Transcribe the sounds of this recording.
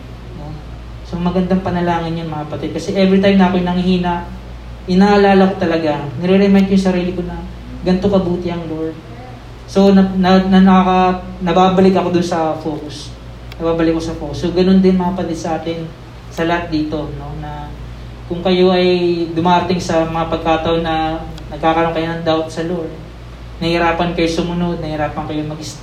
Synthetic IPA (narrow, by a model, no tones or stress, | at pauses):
o | soŋmɐɡɐnd̪aŋpɐnɐlaːŋɪnjʊnmɐŋɐpɐt̪ɪd̪̚kɐsɛʔɛvɾit̪ajmnɐʔɐkojnɐŋɪhiːnɐʔ | ʔɪnaʔːlaːlɐko̞t̪ɐlɐɡanɐɾɛɾɛmajnt̪jʊŋsɐɾiːlɪko̞nɐ | ɡɐnt̪okɐbuːt̪ɪɐŋlol̚ | so̞nɐnɐnɐnɐakɐnɐbaːbɐlɪkɐko̞d̪ʊnsɐfo̞ːkʊs | nɐbaːbɐlɪkːosɐfokʊsoɡɐno̞nd̪ɪnmɐŋɐpɐt̪ɪd̪sɐʔaːt̪ɪn | sɐlɐhat̪̚d̪iːt̪o̞no̞nɐ | kʊŋkɐjo̞ʔɐjd̪ʊmaːʔɐɾt̪ɪŋsɐmɐŋapɐɡ̚kaːt̪ɐʔonːɐ | nɐɡkaːkɐɾoŋkɐjonɐŋd̪awt̪sɐloɹ | nɐhɪɾaːpɐnkɐjosʊmʊno̞d̪̚nɐhɪɾaːpɐŋkɐjoŋmɐɡɪs